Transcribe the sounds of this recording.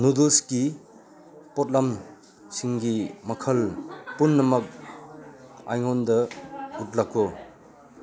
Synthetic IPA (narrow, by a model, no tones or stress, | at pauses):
nuduski | pɔt̚lam | siŋɡimɐkʰɐlpunːɐmɐk̚ | a̰jŋondɐut̚lako